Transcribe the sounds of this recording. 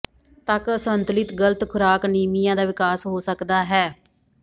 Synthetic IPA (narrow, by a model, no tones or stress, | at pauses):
t̪əkəsənt̪lɪt̪ɡələt̪kʰʊɾaːkniːmijãːd̪aːʋɪkaːsɦoːsəkd̪aːɦɛː